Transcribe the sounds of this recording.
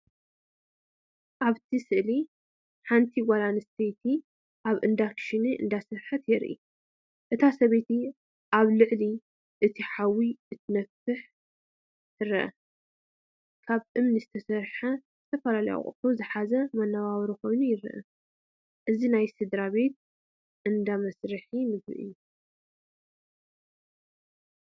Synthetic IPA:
ʔaβt̪ʰisɨʔli | ħant̪ʰiɡʷalanɨst̪ʰet̪ʰi | ʔaβʔɨnd̪akʃiniʔɨ̰nd̪asɨɾħɨt̪jɛɾʔḭ | ʔɨt̪ʰasɐβet̪ʰi | ʔaβlɨʕli | ʔɨt̪ʰiħawːiɨt̪ʰɨnɐfɨħ | t̪ʰɨɾɐʔɐ̰ | kʰaβʔɨmnizɨt̪ʰɐsɐɾħazɨt̪ʰɐfɐlalɐja̰χʼɨ̰t̪ʰozɨħazɐmɐnːaβaβɾiko̞jnujɪɾ̰ʔɐ̰ | ʔɨzinajsɨd̪ɾaβe̞t̪̚ | ʔɨnd̪amɐsɾɨħimɨbɾɨ̰ʔɨ̰jːu

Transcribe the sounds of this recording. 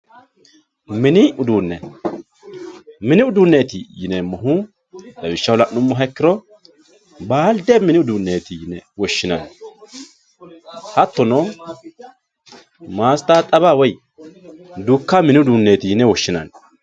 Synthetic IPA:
mɪnɪʊd̪uːnːɛ | mɪnɪʊd̪unːeːt̪ɪjɪnɛmɔɦʊ | d̪ɐbɪʃːɐwɔlɐnʊmːɔɦɛkːɪɾɔ | baːld̪emɪnɪʊd̪unːeːt̪ɪjɪnːɛ̰wɔʃːɪnɐn | hɐt̪ːɔnɔ | maːst̪aːt̪ʼɐβaːwɔj | d̪ukːamɪnɪʊd̪uːnːeːt̪ɪjɪnːɛwɔʃːɪnɐ̰n

